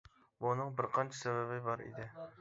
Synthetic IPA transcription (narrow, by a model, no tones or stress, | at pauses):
bunɨŋbɪɾqʰɑnt͡ʃʰɛ̥sɛbɛbɪbɑɾḭd̪ɪ